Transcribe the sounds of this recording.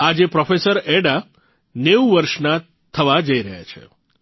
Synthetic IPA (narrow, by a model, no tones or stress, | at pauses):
ad͡ʒepɾɔfesəɾɛɽa | neuʋəɾʃna | t̪ʰəʋad͡ʒəiɾəɦja̰t͡ʃʰḛ